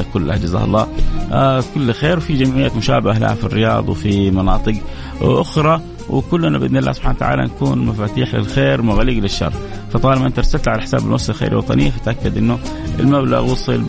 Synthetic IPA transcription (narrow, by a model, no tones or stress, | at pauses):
kʊlːa̰hd͡ʒaza̰ːhɑ̰lˤːɑː | kʊlːxeːɾwfid͡ʒamʕɪjːamʊʃa̰ːbɪala̰ha̰firːɪjɑ̰ːd̪ˤwfimɑnɑːt̪ˤɨɡ | ʔʊxɾˤɑ | wɪkʊlːnabʔɪd̪nɪlːa̰ːhsʊbħaːnawt̪aʕa̰ːla̰nkuːnmafaːt̪iːħlɪ̰lxeːɾmʊɣaliːɡlɪʃːɑ̰rˤː | fɑt̪ˤɑːlɪmaʔɪnt̪aɾˤsalt̪ʕalaħɪ̥saːbɪlmwʊsˤɪlxḛːɾḭwɑt̪ˤɑ̰nɪ̰jːafat̪ʔakːad̪ʔɪnːʊʔɪlmabla̰ɣwʊsˤɨl